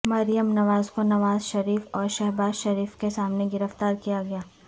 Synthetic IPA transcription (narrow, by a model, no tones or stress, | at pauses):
mɐɾijəmnɐʋaːzkonɐʋaːzʃɐɾiːfɔːɾʃɛɦbaːzʃɐɾiːfkesaːmneɡɪɾəft̪aːɾkijaɡɐjaː